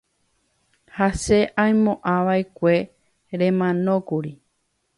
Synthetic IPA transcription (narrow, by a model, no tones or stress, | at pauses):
hase̞ʔãjmõʔãʋaekʷe̞ | ɾẽ̞mãnõ̞kuɾi